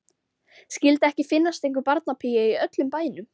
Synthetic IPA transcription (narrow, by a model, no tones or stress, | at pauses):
scɪlt̪ɛhcɪfɪnːast̪ejŋkʏɾpaɾt̪napʰijɪiœt̪lʏmpaːjɪnʏm